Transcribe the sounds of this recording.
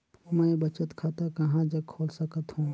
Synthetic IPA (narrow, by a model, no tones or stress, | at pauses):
mɛ̃bɐt͡ʃət̪kʰat̪akɐɦãd͡ʒɐkʰoːlsɐkət̪ɦũː